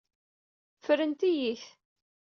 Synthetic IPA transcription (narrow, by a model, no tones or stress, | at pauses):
fəɾənt̪ijiç